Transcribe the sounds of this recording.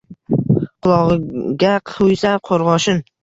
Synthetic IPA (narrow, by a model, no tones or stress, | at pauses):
qʰʊlˠɒʁɡʲaqʰʊjsaqʰoɾʁɒʃɪn